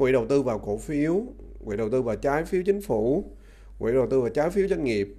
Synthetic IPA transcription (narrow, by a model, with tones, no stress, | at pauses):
ŋwḭ˧˨ɗə˨˩wt̪ɨ˧vaː˨˩wko̰˧˩fi˨˦əw | ŋwḭ˧˨ɗə˨˩wt̪ɨ˧vaː˨˩wt͡ɕaː˨˦jfi˨˦əwt͡ɕï˨˦ŋ̟fu˧˩˨ | ŋwḭ˧˨ɗə˨˩wt̪ɨ˧vaː˨˩wt͡ɕaː˨˦jfi˨˦wzwa˧ŋ̟ŋi˨˩əp̚